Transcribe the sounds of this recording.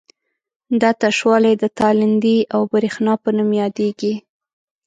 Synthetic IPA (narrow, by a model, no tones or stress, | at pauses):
d̪at̪aʃwɑlajd̪ət̪ɑlɪnd̪iawbaɾixnɑpənəmjɑd̪eɡi